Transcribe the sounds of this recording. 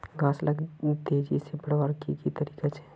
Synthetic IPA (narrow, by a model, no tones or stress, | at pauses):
ɡãːsləɡt̪eːd͡ʒisebɐɽʋaɾkikit̪ɐɾiːkat͡ʃʰe̥